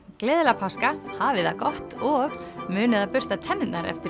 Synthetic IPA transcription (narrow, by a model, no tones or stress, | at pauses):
klɛːðlapʰaskahaːvɪðakɔht̪ɔɣmʏːnɪðaðpʏr̥t̪at̪ʰɛnːɪt̪naɾɛ̰ft̪ɪ